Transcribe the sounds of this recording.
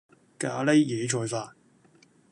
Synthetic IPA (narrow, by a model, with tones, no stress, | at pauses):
kaː˨˧˥le˥jjeː˨˦t͡ʃʰɔː˧jfaː˧